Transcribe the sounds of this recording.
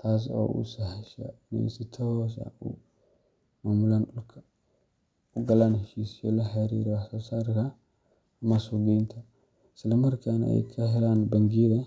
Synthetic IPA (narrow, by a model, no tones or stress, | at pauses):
t̪ʰas̬o̰ʔṵsahaʃa̰na̰sit̪ʰawɔs̬a̰u | maːmulanukʰa | uɡɐlanhɪʃisɪjo̰laħaɾḭɾwasasaɾka | masuɡint̪ʰa | sɪlɔmɐɾkana̰kʰɐɦɛlanbɐŋɡiɾɛ